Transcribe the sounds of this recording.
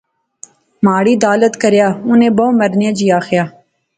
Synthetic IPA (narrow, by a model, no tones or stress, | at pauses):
maːɽiːd̪aːlət̪kəɾjaːʊnẽːbooməɾnjaːd͡ʒiːaːxjaː